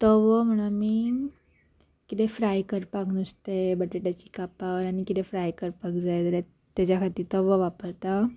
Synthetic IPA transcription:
t̪ɔʋəm̤əɽ̃amiː | kit̪efɾajkəɾpaknəst̪ebəʈeʈjat͡ɕi̥kapaʋəɾañikit̪efɾajkəɾpakd͡zajd͡zəɾja | t̪jad͡ʑjakʰat̪iːt̪ɔʋəʋapəɾt̪a

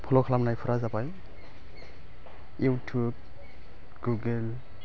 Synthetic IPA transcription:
pʰɔlɔkʰalamnajpʰɔɾazapaj | uwtʰub̚ | ɡuɡel

